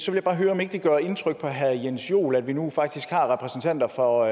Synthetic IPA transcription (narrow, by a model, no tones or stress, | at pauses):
sɒʋeljb̥ɑ̈ːɦøːɐɒ̽mje̝ɡ̥d̥iɡ̥ɶɐe̝nt͡sʰʁœɡ̥̚pʰɒ̽ɦæðˠjensjo̝̰ːlæd̥ʋinufɑ̈ɡ̥̚d̥isɡ̥hɑ̈ːʁɛpʰʁɛsn̩t͡sʰæn̰d̥ɐfɒ̽